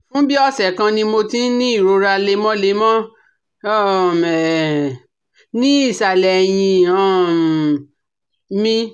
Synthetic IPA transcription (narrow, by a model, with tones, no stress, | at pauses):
fũ˦bi˦ɔ˦sɛ˨kã˧nĩ˧mo˧tĩ˦nĩ˦i˦˨ɾo˧ɾa˧le˧mɔ̃˦le˧˦mɔ̃˦˨ | mɛ˨ | nĩ˦i˦˨sa˨lɛ˨j̃ĩ˧ɔ̃˦˨ | mĩ˧